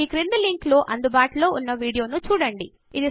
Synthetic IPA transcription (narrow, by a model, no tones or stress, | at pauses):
iːkɾind̪uliŋkloːʔɐnd̪ubaːʈulo̞ːunːɐʋiːɽijo̞ːnut͡ʃuːɽɐɳɖi | id̪i